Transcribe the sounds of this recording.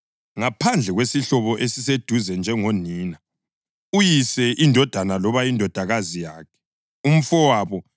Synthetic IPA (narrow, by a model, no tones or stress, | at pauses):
ŋapʰand͡ɮʱɛɣwesiɬɔβɔʔesised̥ʱuzɛnd͡ʒʱɛŋoniːna | ujisɛʔindʱɔd̥ʱanalɔβajindʱɔd̥ʱaɣazijaːkʰɛ̥ | um̩fɔwaːβɔ